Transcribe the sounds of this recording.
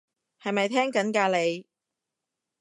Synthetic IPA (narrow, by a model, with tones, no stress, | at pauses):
hɐ˨jmɐ˨jt̪ʰɛː˥ŋkɐ˨˥nkaː˧le˨˧j